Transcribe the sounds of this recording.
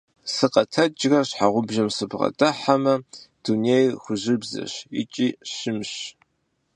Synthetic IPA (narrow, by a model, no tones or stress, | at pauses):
sɨqɐtʰɐd͡ʒrɐɕħaʁʷʊbʒɐmsɨbʁɐ̰tʼɐħamɐd̥unejxʷʊʑɪbzɐ̰ɕɪt͡ʃʼiːɕɪmɕ